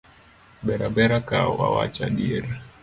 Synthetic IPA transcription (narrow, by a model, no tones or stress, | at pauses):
bɛɾabɛɾakaa̰wa̰t͡ʃaɗiɾ